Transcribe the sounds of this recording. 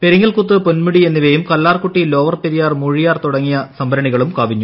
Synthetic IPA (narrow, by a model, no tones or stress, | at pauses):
pe̞ɾiŋːɐɭkut̪ːɨponmuɽie̞nːiʋejumkɐlːaːrkuʈːilo̞ːʋɐrpeɾijaːrmuɻijaːrt̪uɽɐŋːijɐsɐmbɐɾɐɳiɣɐɭumkaːʋiɲːu